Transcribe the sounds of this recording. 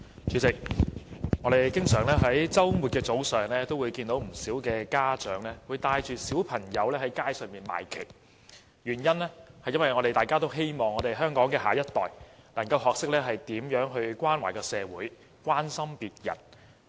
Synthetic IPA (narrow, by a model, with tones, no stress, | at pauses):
t͡ʃyː˨˥t͡sɪ˨k̚ | ŋɔ˨˧ɾe˨jkɪ˥ŋsœː˨˩ŋlɛː˥ɦɐ˨˥jt͡sɐ˥wmuː˨t̚kɛː˧t͡so˨˥wsœː˨˩ŋlɛː˥t̪o˥wu˨˧jkiː˧nt̪o˨˥wm̩˨˩siː˨˥wkɛː˧kaː˥t͡ʃœː˨˥ŋlɛː˥wuː˨˧jt̪aː˧jt͡ʃyː˨˩siː˨˥wpʰɐ˨˩ŋjɐ˨˧wlɛː˥hɐ˨˥jkaː˥jsœː˨ŋmiː˨nma̰ː˨˩jkʰe˨˩j | jyː˨˩njɐ˥nlɛː˥hɐ˨jɐ˥nwɐ˨˩jŋɔ˨˧ɾe˨jt̪aː˨˩jkaː˥t̪̬o˥wɦe˥jmɔː˨˩ŋːɔ˨˧ɾe˨jɦœː˥ŋkɔː˨˥ŋkɛː˧ɦa̰ː˨jɐ˥t̚t̪ɔː˨jnɐ˨˩ŋkɐ˧wɦɔː˨k̚sɪ˥k̚lɛː˥ɦɐ˨jt̪iː˨˥mjœː˨˥ŋɦɵ˧ɥkʷwaː˥nwa̰˨˩jkɔː˧sɛː˨˧wuː˨˥j | kwaː˥nsɐ˥mpiː˨t̚jɐ̰˨˩n